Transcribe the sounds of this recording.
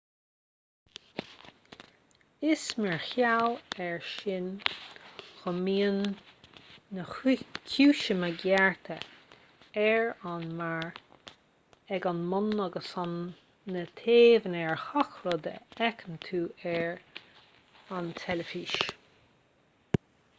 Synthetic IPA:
ɪsmɛɹxjawɛɹʃɪn | xɔmiːənː | əxkʰuːʃəməɡɛɹt̪ʰə | ɛɹanmaɹ | ɛɡanmʊnəɡəsɔnː | ət̪ʰeːvənɛɹxɔxɾɔd̪ə̰ɛkʰənt̪ʰuːɛɹ | ant̪ʰɛləfiʃ

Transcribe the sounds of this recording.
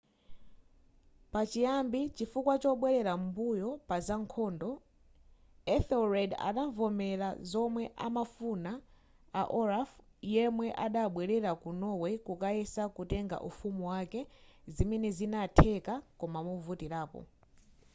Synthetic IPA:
pat͡ʃijambit͡ʃifukwat͡ʃɔɓwɛɾɛɾambujɔpazaŋkʰɔːndɔ | ɛθɛlɹɛda̰ɗaɱvɔmɛlazɔmwɛʔa̰mafuna | aʔɔɾaf | jɛmwɛʔaɗaɓwɛɾɛɾakunɔwɛkukaɛsakutɛŋɡa̰ʔufumuwakɛzimɛnɛzinatʰɛkakɔmamuvutiɾaːpɔ̰

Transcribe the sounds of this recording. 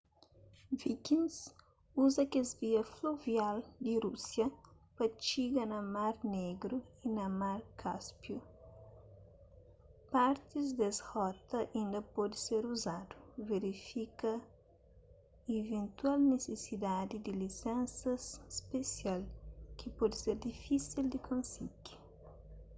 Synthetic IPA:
vikĩns | uzɐkezviɐfluvjald̪iɾusjɐ | pɐt͡ʃiɡɐnɐmaɾneɡɾuinɐmaɾkʰaspju | paɾt̪izd̪ezhɔt̪ɐʔĩnd̪ɐpɔd̪iseɾuzad̪u̥veɾifikɐ | evẽnt̪walnesesid̪ad̪id̪ilisɛ̃nsɐsspesjalkipɔd̪iseɾd̪ifisild̪ikʰõnsiɡi̥

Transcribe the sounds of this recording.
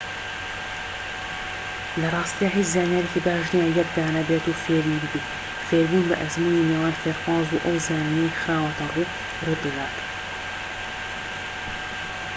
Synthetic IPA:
lɐrˤɑːst̪ijaːɦeːt͡ʃzaːnjaːɾeciːbaːʒnijaːjɛkd̪aːnɐbeːt̪uːfeːɾibɨbiːt̪ | feːɾbuːnbɐʔɐzmuːniːniːwaːnfeːɾxɑːzuʔɐwzaːnnexɨɾaːwɐt̪ɐruː | rɨd̪ɨd̪aːt̪

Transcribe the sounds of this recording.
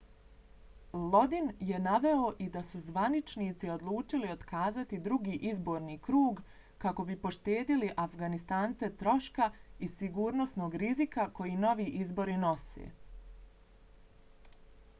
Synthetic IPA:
lˠo̞d̪inje̞naʋe̞oʔid̪asuzʋanit͡ʃniːt̪sio̞d̪lˠuːt͡ʃilio̞d̪kaːzat̪id̪ɾuɡiːʔizbo̞ːɾniːkɾuːɡ | kako̞bipo̞ʃt̪e̞ːd̪iliʔafɡanist̪aːnt̪se̞t̪ɾo̞ʃkaisiɡuːɾno̞sno̞ːɡɾizikako̞jino̞ʋiːʔizbo̞ɾino̞sḛː

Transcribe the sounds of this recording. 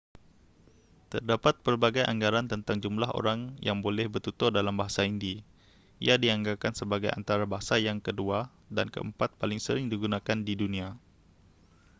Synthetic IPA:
t̪ərdapat̪̚pərbaɡajʔa̰ŋɡaɾant̪ənt̪aŋd͡ʒumlaɦo̰ɾaŋjaŋbolɛhbət̪ut̪ɔdalambaɦasaindi | ʔḭadiaŋɡakansəbaɡaja̰nt̪aɾabaɦasajaŋkədua | dankə̰ə̰mpat̪̚palɪŋsəɾɪŋdiɡunakandidunia

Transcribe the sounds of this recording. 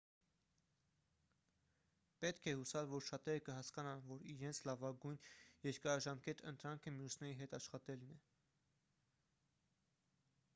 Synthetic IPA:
pɛt̪kʰɛhusɑlvɔɾʃɑt̪ɛɾəkəɦɑskɑnɑnvɔɾiɾɛnt͡sʰlɑvɑɡujnjɛɾkɑɾɑʒɑmkɛt̪ʰə̰nt̪ɾɑŋkʰəmjusnɛɾiɦɛt̪ɑʃχɑt̪ɛlnɛ

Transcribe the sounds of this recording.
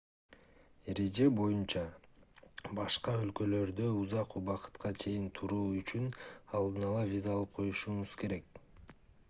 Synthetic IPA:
eɾe̞d͡ʒe̞bo̞junt͡ʃɑ | bɑʃqɑø̞lkø̞lø̞ɾd̪øuzɑquβɑqɯ̥t̪qʰɑt͡ʃʰe̞jint̪ʰuɾuːyt͡ʃynɑlˠd̪ɯnɑlˠɑvʲizaɑlˠɯp̚qʰo̞juʃuɴuz̥ke̞ɾe̞k

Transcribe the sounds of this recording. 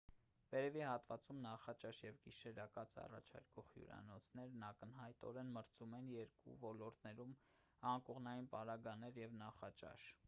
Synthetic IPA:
vɛɾɛvihɑt̪vɑt͡sumnɑχɑt͡ʃɑʃjɛvɡiʃɛɾɑkɑt͡sɑ̰rɑ̰t͡ʃʰɑ̰ɾkɔχjṵɾɑ̰nɔt͡sʰnɛɾnɑkənɦɑjt̪ɔ̰ɾɛnməɾt͡sʰumɛnjɛɾkṵvɔlɔɾt̪nɛɾum | ɑŋkɔʁnɑjinpɑɾɑɡɑnɛɾjɛvnɑχɑt͡ʃɑ̰ʃ

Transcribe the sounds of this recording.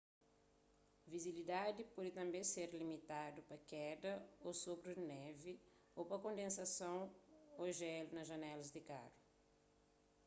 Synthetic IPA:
viziilid̪ad̪ɪpɔd̪ɪt̪ɐ̃mbẽj̃seɾlimit̪ad̪ʊpɐkɛd̪ɐosobɾʊnɛvɪ | opɐkõnd̪ẽnsasɐ̃w̃oʒɛlunɐzʒɐnɛlɐzd̪ɪka̰ɾʊ

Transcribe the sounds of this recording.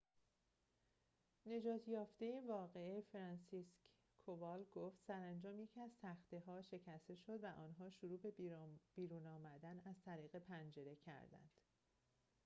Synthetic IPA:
ne̞d͡ʒɒːt̪ʰjɒːft̪e̞jevɒːɣe̞efɾɒːnsisk | kʰovɒlɡoft̪sæɾænd͡ʒɒːmjecʰæzt̪ʰæxt̪eɦɒːʃe̞cʰæst̪e̞ʃo̞d̪væʔɒːnɦɒːʃuɾuːbe̞b̥iːɾuːnɒːmæd̪ænæzt̪ʰæɾiːɣe̞pʰænd͡ʒe̞ɾe̞cʰæ̰ɾd̪æ̰nd̪̥

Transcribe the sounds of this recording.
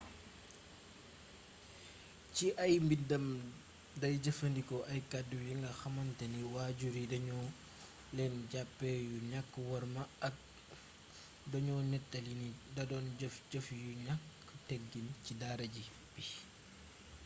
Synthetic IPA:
ciʔɐjmbidɐm | dɐjɟɐfɐndikɔʔɐjkadujiŋɡɐxɐmɐntɐniwaːɟuɾidɐɲɔ | lɛnɟapːɛjuɲakːəwɐɾmɐɐk̚ | dɐɲɔnɛtːɐlinidɐdɔnɐfɟəfjuɲakː | ətɛɡːincidaɾɐɟi | b̥i

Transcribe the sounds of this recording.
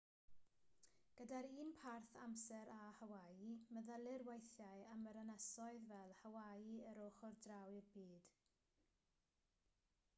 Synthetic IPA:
ɡ̥ədaɾiːnpʰarθa̰msɛɾahəwajɨməðəlˠɪrwejθjaɨəməɾənɛsɔɨðvɛlˠhawajɨəɾoχɔrdrawɪrbiːd̥

